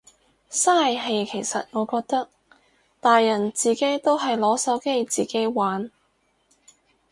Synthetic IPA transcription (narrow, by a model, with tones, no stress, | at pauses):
saː˥˩jɦe˧jkʰe˨˩jsɐ̰˨t̚ŋɔː˨˧kɔː˧k̚t̪ɐ˥k̚ | t̪aː˨jːɐ˨˩nt͡siː˨ke˨˥jt̪o˥wɦɐ˨jlɔː˨˥sɐ˨˥wke˥jt͡siː˨ke˨˥jwaː˨˥n